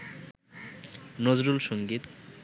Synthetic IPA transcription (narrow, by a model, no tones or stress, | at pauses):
nod͡ʑɾulʃoŋɡit̪